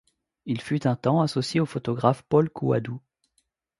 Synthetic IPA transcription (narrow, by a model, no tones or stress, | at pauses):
ilfyt̪ɛ̃t̪ɑ̃asɔsjeofɔt̪ɔɡʁafpɔlkʰua̰d̪u